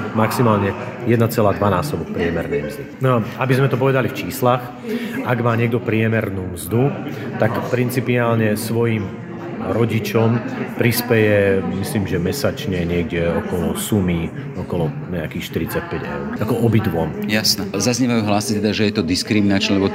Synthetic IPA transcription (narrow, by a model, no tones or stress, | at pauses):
maksimaːlɲɛjɛd̪nat͡sɛlaːd̪ʋanaːsɔbɔk̚pɾɪɛmɛɾnɛjmzd̪iɔabizmɛt̪ɔpɔʋɛd̪alift͡ʃiːslax | ʔaɡmaːɲɪɛɡ̚d̪ɔpɾɪɛmɛɾnuːmzd̪ut̪akpɾint͡sipiaːlɲɛsʋɔjim | ɾɔɟit͡ʃɔmpɾispɛjɛmisliːmʒɛmɛsat͡ʃɲɛɲɪɛɡɟɛɔkɔlɔsumiɔkɔlɔɲɛakiːxʃt̪iɾit͡sac̚pɛɟɛ̰ʊɾʔakɔʔɔbid̪ʋɔmjasnɛzazɲɛʋajuɦlaːst͡sit̪ɛd̪aʒɛjɛt̪ɔd̪iskɾiminat͡ʃnɛlɛbɔ